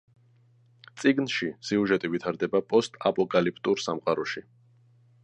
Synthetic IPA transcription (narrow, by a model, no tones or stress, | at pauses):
t̪sʼiɡnʃisiuʒɛt̪ʼivit̪ʰaɾd̪ɛbapʼɔst̪ʼapʼɔkʼalip̚ʰʼt̪ʼuɾsamqʼaɾɔʃi